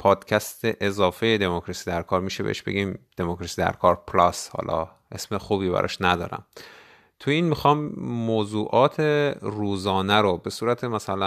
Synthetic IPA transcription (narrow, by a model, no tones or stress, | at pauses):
pʰɒːd̪̥cʰæst̪ʰeʔezɒːfejed̪e̞mokʰɾɒsiːd̪æɾkʰɒːɾmiːʃebḛeʃb̥e̞̰ɡiːmd̪̥emokɾɒsiːd̪æ̰ɾkʰɒːɾpʰlɒshɒ̰lɒ̰ː | ʔḛsmexuːbiːbæ̰ɾɒ̰ʃnæd̪ɒ̰ːɾæ̰m | t̪ʰujiːnmixɒːmːoːzuːʔɒːt̪ʰeruːzɒːnæɾobe̞suːɾæt̪ʰemæsælæ